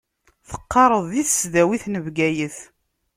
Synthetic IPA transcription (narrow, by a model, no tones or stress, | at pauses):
θə̥qːɑɾˤəðˤðiθsðæwiθnəvɡæjəθ